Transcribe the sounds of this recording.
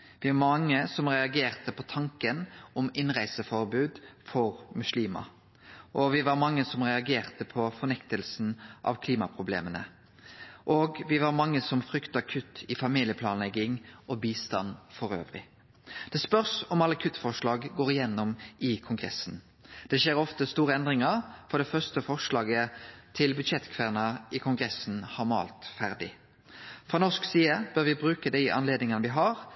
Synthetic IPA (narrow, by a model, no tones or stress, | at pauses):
ʋɪʋɑmɑŋːəsɔmʁɛɑɡeːʁt̪əpʰɔt̪ʰɑŋkənɔmɪnʁæɪsəfɔɾbʉːd̪fɔʁmʉsliːmɑ̰ | ʔɔʋɪʋɑɾmɑŋːəsɔmʁɛɑɡeːʁt̪əpʰɔfɔʁnɛkt̪əlsn̩ʔɑ̰ʋkʰliːmɑpʰʁʊblḛːmənə̰ | ʔoːɡʋɪʋɑɾmɑŋːəsɔmfɾʏkt̪əɑkʰʉt̪ʰɪfɑmiːlɪəpʰlɑːnlɛɡːɪŋʔɔbiːst̪ɑnfɔʁø̰ːʋʁɪ̰ | d̪̥ɛspœʁsɔmɑlːɑkʰʉt̪ːfɔʁʂlɑːɡɡoːʁɪjɛnːɔmʔɪkʰʊŋɡʁɛsn | d̪̥ɛʃeːʁɔft̪əst̪uːʁəɛnd̪ʁɪŋəʁfɔd̪ɛfœʁst̪əfɔʁʂlɑːɡət̪ʰɪlbʉd̪ʃɛt̪ːkʰʋæʁnɑʔɪkʰʊŋɡʁɛsn̩hɑmɑ̰ːlt̪fæʁd̪ɪ | fʁɑːnɔʂksiːəb̥øʁʋɪbɾʉːkəd̪æɪʔɑ̰nleːd̪nɪŋɑnəʋɪɦɑʁ